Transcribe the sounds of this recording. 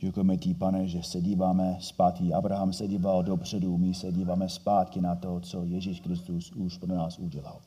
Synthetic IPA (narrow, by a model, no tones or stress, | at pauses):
ɟ̥ɛkujɛmɛcɪpanɛʒɛsɛɟiːvaːmɛspaːt̪kɪʔabɾaɦamsɛɟiːvaldopr̝̥ɛdumɪsɛɟiːvaːmɛspaːt̪kɪnat̪o̞t͡sojɛʒiːʃkɾɪst̪usuʃpɾonaːsuɟɛla̰l